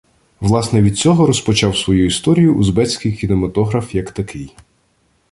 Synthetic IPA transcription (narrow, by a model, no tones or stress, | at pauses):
ʋlˠɑsnɛʋʲid̪̚t͡sʲɔɦɔɾɔspɔt͡ʃɑwsʋɔjuist̪ɔɾʲijʊʔːzbɛt͡sʲkɪjkʲinemɐt̪ɔɦɾɐfjɐkt̪ɐkʰɪj